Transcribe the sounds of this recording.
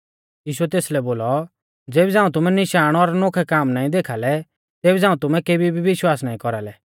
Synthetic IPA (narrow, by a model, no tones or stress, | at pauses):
jiːʃuɛt̪eːslɛboːlɔ | d͡zeːbid͡zãːũt̪ʊmɛnɪʃaːɽ̃ɔɾnoːkʰɛkaːmnaːĩd̪eːkʰalɛ | t̪eːbid͡zãːũt̪ʊmɛ̃keːbibiʋɪʃwaːsnaːĩkɔɾalɛ